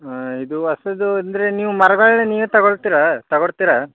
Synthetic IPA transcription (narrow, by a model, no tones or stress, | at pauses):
id̪uɐsɐd̪uɐnd̪ɐɾe̞niːʋumɐɾɐɡɐɭneniːʋut̪ɐɡoɭt̪iɾat̪ɐɡoɭt̪iɾa